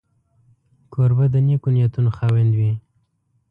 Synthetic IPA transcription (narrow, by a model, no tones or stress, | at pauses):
kʰoɾbad̪ənekunijat̪unoxawend̪wi